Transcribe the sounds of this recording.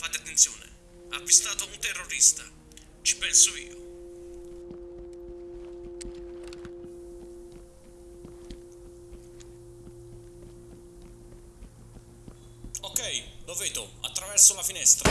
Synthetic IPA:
fat̪ːeat̪ːent̪sjoːnḛ | avist̪aːt̪ount̪ɛrːoɾist̪a̰ | t͡ʃi̥pɛnsoiːo̰ | okːɛjloveːd̪ʊa̰t̪ːɾavɛrsolafinɛst̪ɾa

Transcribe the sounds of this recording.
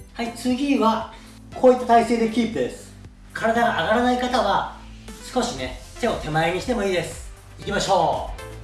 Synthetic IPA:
hait͡sɨɡʲiβa | kʰo̞ːit̪ːat̪aise̞ːd̪e̞kʲiːpd̪e̞sɨ̥ | kʰaɾad̪aɡaʔaɡaɾanaikat̪aβa | sɨ̥ko̞ɕine̞t̪e̞o̞t̪ʰe̞maeɲ̟iɕi̥t̪e̞mo̞iːd̪e̞sɨ̥ | ikʲimaɕo̞ː

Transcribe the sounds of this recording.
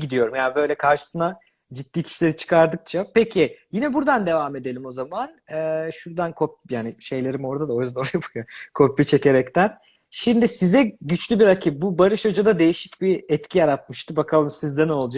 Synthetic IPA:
ɡid̪ijo̞ɾumjaːnibø̞jlʲɛkʰaɾʃɯ̥sɯna | d͡ʒit̪ːiːcʰi̥ʃilʲe̞ɾit͡ʃʰɯ̥kʰaɾd̪ɯk̚t͡ʃʰapecʰijinɛbuɾd̪and̪e̞vame̞d̪e̞lʲimo̞zamanɛːʃuɾd̪ankʰopjaːniʃe̞jlʲe̞ɾimo̞ɾd̪ad̪ao̞jyzænjapʰakʰo̞pːit͡ʃʰe̞ce̞ɾɛct̪ʰæn | ʃimd̪isizɛɟyt͡ʃlʲybiɾacʰip̚bubaɾɯʃad͡ʒad̪ad̪e̞jiʃi̥cbiɛt̪cʰijaɾat̪̚mɯʃt̪ɯbakʰalˠɯmsizd̪ɛno̞lˠd͡ʒa

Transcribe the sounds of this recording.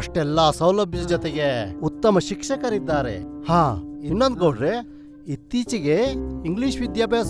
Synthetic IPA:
ɐʂʈɛlːaːsɐwlɐbʱjɐd͡ʒɔt̪eɡeut̪ːɐmɐʃikʃɐkɐɾid̪ːaːɾḛhaːinːond̪ɡɐɖɾe | it̪ːiːt͡ʃiɡeiŋɡliːʃʋid̪jaːbɐɐs

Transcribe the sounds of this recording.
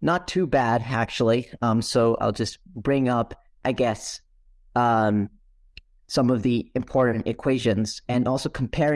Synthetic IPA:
nətʰʉbæɾæk̚t͡ʃul̩ˠiʌ̃msoʊʔa̰ɪlˠd͡ʒʌsb̥ɹɪ̃ŋʌp | ʔaɪɡɛs | m | sʌ̃mʌvðiɨ̃mpʰɔɹʔn̩tɨkʰw̥eɪʒɨ̃nz̥ɨ̃nɔlˠsoʊkʰm̩pʰɛɹ̃

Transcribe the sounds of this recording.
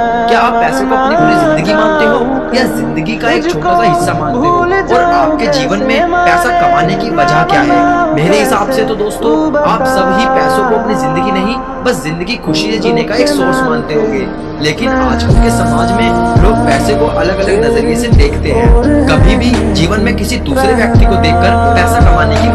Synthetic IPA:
kjaaːpːɛːsõkoɐpnibʱʊɾizɪ̃nd̪əɡimãːnt̪eɦoː | jazɪ̃nd̪əɡikaeːkt͡ʃʰoːasaɦɪsːamãːnt̪eɦoːɔːɾaːp̚ked͡ʒiːʋənmẽpɛːsakɐmaːnekiʋɐd͡ʒʱakjaɦɛːmeːɾeɦɪsaːbset̪od̪oːst̪õaːpsɐbʱɦipɛːsõkoɐpnizɪ̃nd̪əɡinɐɦĩ | bɐszɪ̃nd̪əɡikʰʊʃised͡ʒiːnekaeːksoːsmãːnt̪eɦõːɡeː | leːkɪnaːd͡ʒkʊkesɐmaːd͡ʒʱmẽloːɡ̚pɛːsekoʔɐləɡɐləɡnɐzəɾesed̪eːkʰt̪eɦɛ̃ːkɐbʱibʱid͡ʒiːʋənmẽkɪsid̪uːsɾeʋjɐk̚t̪ikod̪eːkːəɾpɛːsakɐmaːneki

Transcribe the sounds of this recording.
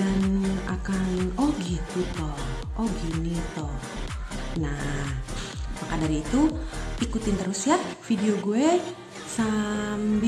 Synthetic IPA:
ana̰kanɔɡit̪ut̪ɔhʔoɡinit̪ɔh | na | pakadaɾiːt̪uikut̪ɪnt̪əɾusjafidioɡue | samb

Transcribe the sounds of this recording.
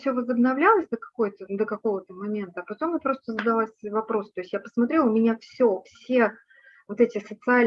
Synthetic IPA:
fsʲɵvəzəbnɐvlʲalˠəsʲd̪əkɐ̥ko̞jt̪əd̪əkɐko̞vət̪əmɐmʲe̞nt̪əɐːpɐt̪o̞mpɾo̞st̪əzəd̪ɐlˠasʲvɐpɾo̞st̪o̞ɪsʲtʲjapə̥smɐt̪ɾʲelˠʊmʲɪnʲafsʲofsʲe̞ | vot̪ɛtʲɪsət̪sɨalʲ

